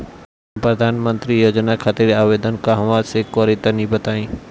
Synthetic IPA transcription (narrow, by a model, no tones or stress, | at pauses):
pɾəd̪ʱaːnmə̃nt̪ɾijoːd͡ʒnakʰaːt̪iɾaːʋed̪ənkaɦɐʋasekoɾit̪ənĩbət̪aːĩː